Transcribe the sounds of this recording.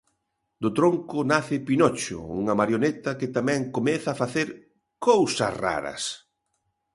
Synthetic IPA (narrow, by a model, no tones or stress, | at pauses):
d̪ʊt̪ɾoŋkʊnaθɪpinɔt͡ʃʊ̰ṵŋɐmaɾjonɛt̪ɐkɪt̪amɛ̃ŋkomɛθɐːfaθeɾ | kowsɐ̰sra̰ɾɐ̰s